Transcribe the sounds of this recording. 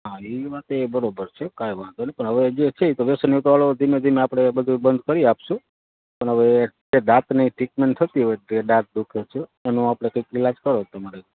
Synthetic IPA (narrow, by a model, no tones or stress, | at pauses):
ɦãiʋat̪ebəɾobəɾt͡ʃʰekajʋãt̪onepəɳɦəʋed͡ʒet͡ʃʰet̪oʋesənjut̪ʋaɭod̪ʱimed̪ʱimeapɽ̃ebəd̪ʱubənd̪ʱkəɾiapʃũ | pəɳɦəʋe | eɖat̪niʈikmeɳʈ̪ʰət̪iɦojeɖãt̪̚d̪ukʰet͡ʃʰeenõapɽ̃ekəikilad͡ʒkəɾot̪əmaɾe